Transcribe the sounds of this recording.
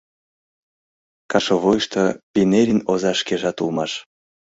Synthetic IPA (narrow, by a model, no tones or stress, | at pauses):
kɑʃoβojʃt̪ɤbʲineɾʲinozɑʃkeʒɑt̪ulˠmɑʃ